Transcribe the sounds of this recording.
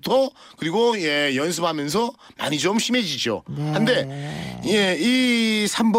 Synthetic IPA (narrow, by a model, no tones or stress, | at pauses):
tʰʌ | kɯɾiɡoje̞jʌns̬ʰɯp̚hamjʌns̬ʰʌ | ma̰ɲid͡ʑomɕime̞d͡ʑid͡ʑo̰hande̞je̞isʰamb